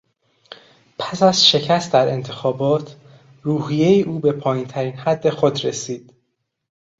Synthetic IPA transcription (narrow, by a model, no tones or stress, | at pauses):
pʰæsæz̥ʃe̞cʰæst̪̚d̪æɾe̞nt̪ʰe̞xɒːbɒːt̪ʰ | ɾuːɦijejiʔuːbe̞pʰɒːjint̪ʰæɾiːnhæd̪ːe̞xo̞d̪ɾesiːd̪̥